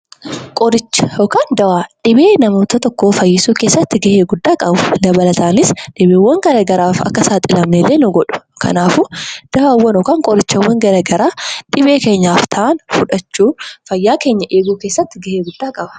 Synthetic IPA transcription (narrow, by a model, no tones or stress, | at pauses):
kʼɔɾɪt͡ʃːɔkaːnd̪ɐwaːᶑɪbeːnɐmoːt̪ɐt̪ɔkːoːfɐjːɪsuːke̞ːsːɐt̪ːɪɡɐheːɡʊd̪ːaːkʼɐbʊlɐbɐlɐt̪aːnɪsᶑɪbeːwːɐŋɡɐɾɐɡɐɾaːfɐ̰kːɐsaːt̪ʼɪlɐmelːeːnʊɡɔᶑʊ̥kʰɐ̰naːfʊd̪̥ɐwaːwːɐnɔkaːŋkʼɔɾɪt͡ʃːɐwɐŋɡɐɾɐɡɐɾaːᶑɪbe̞ːkeːɲːaːft̪ʰaːnfʊᶑɐt͡ʃːuːfɐjːaːke̞ːɲːɐʔe̞ːɡuːke̞ːsːɐt̪ːɪɡɐheːɡʊd̪ːaːkʼɐbɐ̥